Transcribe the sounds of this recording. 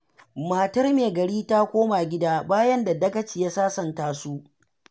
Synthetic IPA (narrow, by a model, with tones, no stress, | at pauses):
maː˨tɐ˦rmeː˨ɡɐ˨ɽiː˦taː˦kʷoː˦ma˨ɡʲɪ˦daː˦baː˦jɐ˦nda˨dɐ˦kɐ˦t͡ʃiː˨ja˦saː˦sɐ˨ntaː˦su˦ʔ